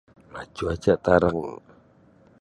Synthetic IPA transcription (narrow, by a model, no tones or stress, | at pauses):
mḁd͡ʒuad͡ʒaʔt̪aɾəŋ